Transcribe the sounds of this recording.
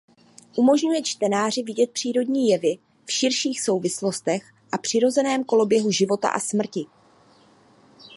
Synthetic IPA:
ʔumo̞ʒɲujɛt͡ʃt̪ɛnaːrɪvɪɟɛt̪̚pr̥iːɾo̞dɲiːjɛvɪ | fʃɪɾʃiːxso̞wvɪslo̞st̪ɛx | ʔapr̝̥ɪɾo̞zɛnɛːmko̞lo̞bjɛɦuʒɪvo̞t̪a̰ʔasmr̩cɪ

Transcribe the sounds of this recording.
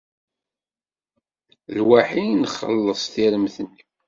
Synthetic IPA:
lwaħinχːə̰lːəsˤθiɾəmθən

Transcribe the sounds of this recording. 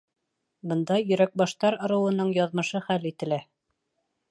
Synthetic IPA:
bɤ̆nd̪ɑjɵ̆ɾæk̚bɑʃt̪ɑɾŏɾɤ̆wɤ̆nɤɴjɑðmɤ̆ʃɤχælit̪ɘ̆læ

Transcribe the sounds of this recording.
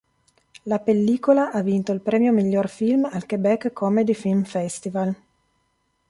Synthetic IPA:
lapelːiːkolaʔavːint̪oilpɾɛːmjomiʎːorfilmalkebɛkːkʰːɔmed̪ifilmfɛst̪ival

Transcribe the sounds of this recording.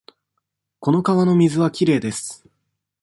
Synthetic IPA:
ko̞no̞kaβano̞mʲizɨβakʲiɾe̞ːd̪e̞sɨ̥

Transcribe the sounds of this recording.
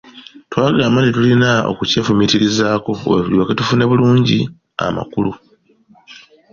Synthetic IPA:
twaːɡaːmantitulinao̞̰kuce̞ːfumitiɾizaːko̞̰wevuliwaketufune̞βuluːɲɟi | a̰ma̰kulu

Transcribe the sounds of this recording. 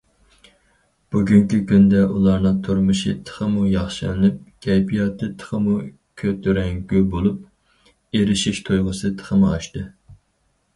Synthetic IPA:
b̥uɡʲyŋkʲikʲynd̪ɛʔulˠɑɾnɨŋt̪ʰoɾmɨʃḭt̪ʰə̥χəmujɑχʃɨ̰lɨnɨp̚kʲʰɛjpʰijɑt̪ʰɨt̪ʰə̥χəmu | kʲʰøt̪ʰyɾɛŋɡʲybolˠup̚ | eɾɪʃiʃt̪ʰojʁəsɨt̪ʰə̥χəmɨɑ̰ʃt̪ɨ

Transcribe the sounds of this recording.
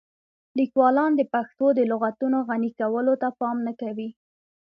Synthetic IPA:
likwɑlɑnd̪əpaxt̪od̪əlʊɣat̪unoɣanikawəlot̪apɑmnakawi

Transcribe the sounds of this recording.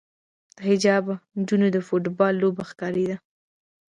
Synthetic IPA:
d̪̥əhɪd͡ʒɑband͡ʒunod̪əfoʈbɑlːobaxkɑɾed̪a

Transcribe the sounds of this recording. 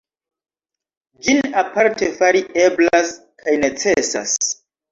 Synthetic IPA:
d͡ʒinapaɾte̞faɾiʔe̞blas | kʰajne̞t͡se̞sa̰s

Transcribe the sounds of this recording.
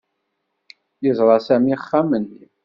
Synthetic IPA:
jizˤʁɑsæmiχːamənː

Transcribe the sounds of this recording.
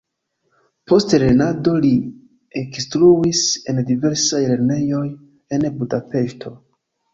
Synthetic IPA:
po̞steɾe̞nado̞li | ekstɾuise̞ndive̞ɾsajle̞ɾne̞jo̞j | e̞nbudape̞ʃtʰo̞

